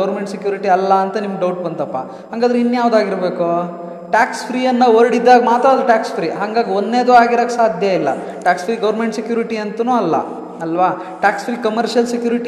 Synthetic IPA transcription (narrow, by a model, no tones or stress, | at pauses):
ɐʋɾmeɳʈsekjuːɾiʈiɐlːɐːnt̪ɐnimɐɡɖɐwʈ̚bɐnt̪ɐpːɐ | ɦaŋɡaːd̪ɐɾinːjaːʋd̪aːɡiɾbeːku | ʈaːkspʰɾiːjɐnːɐoɾɽid̪ːaːɡɐmaːt̪ɾad̪ɾɐʈaːkspʰɾiːɦaŋɡaːɡionːneːd̪uaːɡiɾoːksaːd̪ʱjɐilːɐ̰ | ʈaːkspɾiːɡɐʋɾmeɳʈsekjuːɾiʈiɐnt̪unuːɐlːɐ̰ | ɐlʋaː | ʈaːkspʰɾiːkɐmɐɾʃjɐlsekjuːɾiʈi